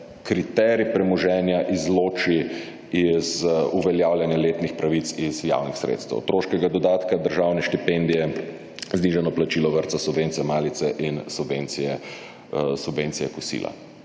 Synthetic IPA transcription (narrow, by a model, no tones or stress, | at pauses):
kɾit̪ɛɾipɾɛmɔʒɛnjaʔizloːt͡ʃi | izuʋɛljaːwljanjaleːt̪nixpɾaʋit̪sizja̰wnixsɾḛːt̪st̪ɛ̰ʊt̪ɾoːʃkɛɡad̪ɔd̪aːt̪kad̪əɾʒaːwnɛʃt̪ipend̪ijɛ | zniʒanɔplat͡ʃilɔʋəɾt̪sasubʋeːnt̪sijɛmaːlit̪sɛʔinsubveːnt̪sijɛ | subveːnt̪sijɛkusḭːla̰